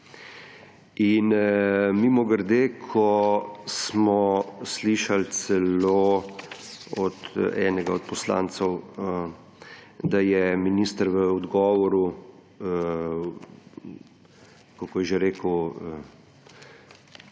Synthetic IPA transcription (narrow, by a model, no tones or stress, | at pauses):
inmimɔɡəɾd̪eːkʰɔsmɔsliʃalt̪sɛloː | ɔt̪ɛːnɛɡaɔt̪̚pɔsla̰ːnt̪sɛw | d̪ajɛminiːst̪əɾʋəɔd̪ɡɔːʋɔɾu | kɔkɔjɛʒeɾeːkəə